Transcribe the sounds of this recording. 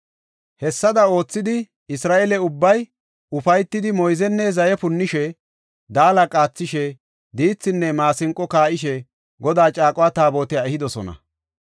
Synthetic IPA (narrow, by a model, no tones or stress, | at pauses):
hɛsːɐd̪ɐo̞ːt͡sːɪd̪ɪ | ɪsɾaːʔɛlɛʊbːɐj | ʊfɐjt̪ːɪd̪ɪmɔjzɛnːɛzɐjɛpʊnːɪʃɛ | d̪aːlɐkʼaːt͡sːɪʃɛ | d̪iːt͡sːɪnːɛmaːsɪŋkʼːɔkaːʔɪʃɛ | ɡɔd̪aːt͡ʃʼaːkʼɔwaːt̪aːbo̞ːt̪ɪjaɛhɪd̪ɔsɔ̰nɐ̰